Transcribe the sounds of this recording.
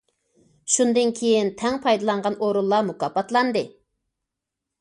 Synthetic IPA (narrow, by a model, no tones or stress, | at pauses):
ʃund̪ɨnkʲʰejint̪ʰɛŋpʰɑjd̪ɑlˠɑɴʁɑnʔoɾulˠːɑmukɑpɑt̪lˠɑnd̪ɨ